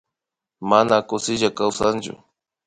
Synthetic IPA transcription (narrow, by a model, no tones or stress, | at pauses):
manakʊsɪʒakawsant͡ʃʊ̰